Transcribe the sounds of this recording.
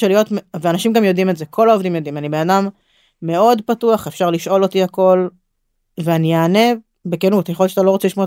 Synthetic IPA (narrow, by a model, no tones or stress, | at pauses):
elijo̞tmveanaʃimɡamjo̞dimeze̞kʰo̞lao̞vdimjo̞d̪imanibenadamː | e̞o̞dpatuaχefʃaʁliʃo̞lo̞t̪iako̞l | veanijaːne̞ | bekenutjexojotʃat̪alo̞ʁot͡seliʃmo